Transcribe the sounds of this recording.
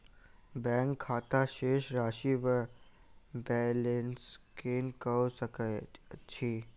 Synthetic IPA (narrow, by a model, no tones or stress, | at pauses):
bɛ̃ŋkʰːaːt̪aʃeːʃɾaːʃiʋə | bɛːlẽnskeːnkəosəkət͡ʃʰiː